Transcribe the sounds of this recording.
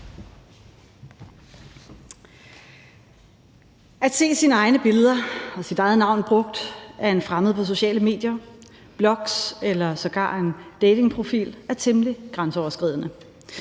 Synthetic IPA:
ʔæd̥se̝̰ːsinəɑ̈ɪnəb̥e̝ləð̞ˠɐɒ̽sid̥ɑ̈ɪð̩ˠnɑ̈ʊ̰nb̥ʁɔ̽ɡ̥̚d̥æɐenfʁaməð̞̩ˠpʰɒ̽s̬o̝ɕɛ̰ːləme̝̰ːd̥jɐ | b̥lɒ̽ɡ̥selɐsɒ̽ɡ̥ɑ̰̈ːe̝nd̥eːde̝ŋpʰʁo̝fḭːlæɐt͡sʰemliɡ̥ʁansəɒʊɐsɡ̥ʁḭːð̰ˠnə

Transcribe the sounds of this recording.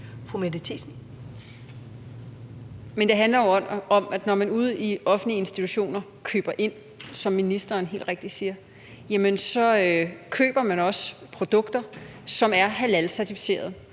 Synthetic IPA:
fʁumedət͡sʰḭsn̩ | mend̥e̝ɦænlɐjoɒ̽mæd̥nɒmænuð̞̰ˠiɒ̽fn̩lie̝nsd̥it͡sʰuɕo̝̰ːnɐ | kʰø̰ːb̥ɐʔe̝n̰ | sɒ̽mːinisd̥ɐːnɦe̝̰ːld̥ʁeɡ̥d̥isiːɐ | jæmənsɒ̽kʰø̰ːb̥ɐmænɒ̽spʰʁo̝d̥ɔ̽ɡ̥d̥ɐsɒ̽mæɐɦælælsæɐt͡sʰifi̥se̝̰ːɐð̞ˠ

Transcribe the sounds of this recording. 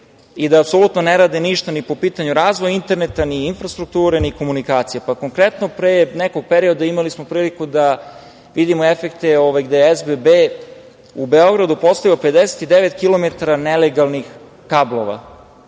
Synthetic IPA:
id̪aːpso̞lut̪no̞neɾaːd̪iniʃt̪anipo̞piːt̪aɲuɾaːzʋojint̪e̞ɾnet̪aniːnfɾast̪ɾuk̚t̪uːɾeniko̞munikaːt̪sijepako̞ŋkɾet̪no̞pɾeːneko̞ɡ̚peɾio̞d̪aimalismopɾiːlikud̪a | ʋid̪imoe̞fekt̪eoʋajɡd̪ejezbebe | ube̞o̞ɡɾad̪upost̪ajioped̪eset̪id̪eʋet̪kilo̞me̞t̪aɾaneleɡalˠnix | kablˠo̞̰ʋa̰

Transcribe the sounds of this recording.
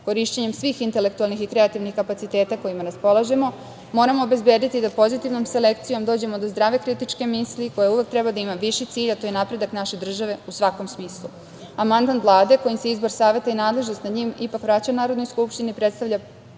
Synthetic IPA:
ko̞ɾiʃt͡ɕeɲe̞msʋiːxint̪e̞le̞k̚t̪ualˠnixikɾe̞at̪iʋnixkapat̪it̪eːt̪ako̞jimaɾaspo̞lˠaʒe̞mo̞ | mo̞ːɾamo̞obe̞zbeːd̪it̪id̪apo̞zit̪iʋnomse̞le̞kt̪sijo̞md̪o̞ːd͡ʑe̞mod̪ozd̪ɾaːʋe̞kɾit̪it͡ʃke̞misliko̞jauʋe̞k̚t̪ɾɛbad̪aimaʋiʃit̪siːʎat̪ojenapɾe̞d̪aknaʃe̞d̪r̩ʒaʋe̞usʋako̞msmiːslˠu | amand̪manvlˠaːd̪e̞ko̞jimseeizbo̞ɾsaːʋe̞t̪ainaːd̪le̞ʒno̞st̪nad̪ɲiːmipakʋɾat͡ɕanaːɾo̞d̪nojskupʃt̪inipɾet̪st̪aʋʎʲa

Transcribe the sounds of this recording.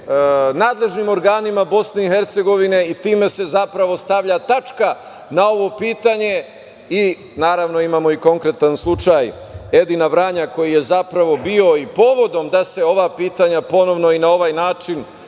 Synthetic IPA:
naːd̪le̞ʒnimo̞ɾɡaːnimabo̞sne̞ixe̞ɾt̪se̞ɡo̞ʋine̞it̪iːme̞se̞zapɾaʋo̞st̪aʋʎat̪at͡ʃka | nao̞ʋo̞piːt̪aɲe̞ | i | naːɾaʋno̞imaːmo̞iko̞ŋkɾe̞t̪anslˠut͡ʃaj | e̞d̪inaʋɾaːɲako̞jije̞zapɾaʋo̞bio̞ipo̞ːʋo̞d̪o̞md̪ase̞o̞ʋapiːt̪aɲapo̞no̞ʋno̞inao̞ʋajnaːt͡ʃin

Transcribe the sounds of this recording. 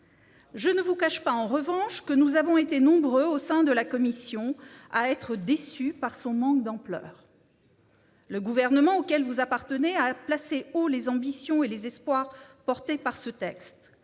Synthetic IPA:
ʒənəvukaʃpaɑ̃ʁəvɑ̃ʃkənuzavɔ̃et̪enɔ̃bʁøosɛ̃d̪əlakɔmisjɔ̃aɛt̪χəd̪esypaʁsɔ̃mɑ̃kd̪ɑ̃plœ̰ːʁ | ləɡuvɛʁnəmɑ̃okʲɛlvuzapaʁt̪əneaplaseolezɑ̃bisjɔ̃elezɛspwaʁpɔʁt̪epaʁsət̪ɛkst̪

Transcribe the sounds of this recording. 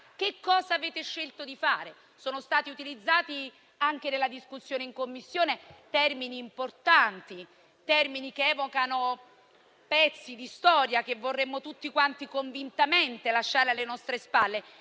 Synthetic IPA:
k̟ekːɔːzaːveːt̪eʃːelt̪od̪ifaːɾe | soːnost̪aːt̪iut̪ilid̪zːaːt̪i | aŋkenelːad̪iskusːjoːneiŋkomːisːjoːnet̪ɛrminiːmport̪ant̪i | t̪ɛrminikeɛːvokano | pɛt̪sːid̪ist̪ɔːɾjak̟evːorːemːot̪ut̪ːikwant̪ikoɱvint̪ament̪elaʃːaːɾealːenɔst̪ɾespalːe

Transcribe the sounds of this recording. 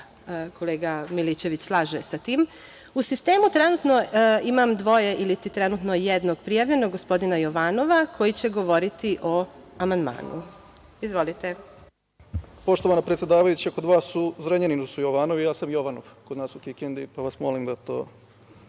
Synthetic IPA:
kʰo̞leːɡamilit͡ɕe̞ʋit͡ɕslˠaːʒesat̪iːm | usist̪e̞ːmut̪ɾenut̪no̞imamd̪ʋo̞jeʔilit̪it̪ɾenut̪no̞jed̪no̞ɡ̥pɾijaʋʎenoɡospo̞d̪inajo̞ʋaːno̞ʋakʰo̞jit͡ɕe̞ɡo̞ʋo̞ɾit̪iʔo̞amand̪ma̰ːnṵ | izʋo̞lit̪e | po̞ʃt̪oʋanapɾet̪sʲjed̪aːʋajut͡ɕakod̪ʋaːsuzɾeɲeninusujoʋaːnoʋijaːsamjoʋanoʋkod̪naːsuk̪ikend̪ipaʋasmo̞limd̪at̪o̰ː

